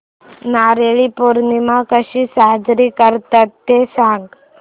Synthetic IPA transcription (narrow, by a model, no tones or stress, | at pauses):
naːɾeɭipoɾnimakəɕisad͡ʒɾikəɾt̪at̪ːesãŋɡ